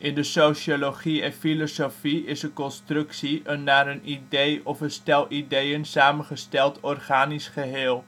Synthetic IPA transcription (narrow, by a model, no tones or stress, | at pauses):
ʔɪndəsowʃoloχiɛ̃nfilosofiɪsəkɔnstrɵksiənːaːɾənidejɔfəstɛlˠʔidejənsaːmənχəstɛlˠtɔrχaːnisχəɦɪːlˠ